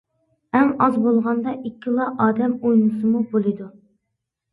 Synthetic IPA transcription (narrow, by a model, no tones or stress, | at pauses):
ɛŋɑzbolˠʁɑnd̪ɑʔikʲʰːilˠɑʔɑːd̪ɛmojnɨsɨmubolˠɨd̪u